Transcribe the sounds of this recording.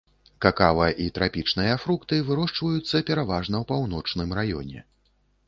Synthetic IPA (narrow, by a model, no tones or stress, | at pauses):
kakavɨɐʔit̪ɾapʲit͡ʂnɨjɐfɾukt̪ɨvɨɾɔʂt͡ʂvɐjut̪sːɐpʲɛɾavaʐnɐwpawnɔt͡ʂnɨmrajɔ̰nʲɛ̰